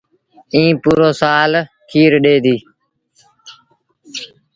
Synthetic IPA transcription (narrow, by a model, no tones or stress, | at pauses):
ĩːpuːɾoːsaːl | kʰiːɾɗeːd̪iː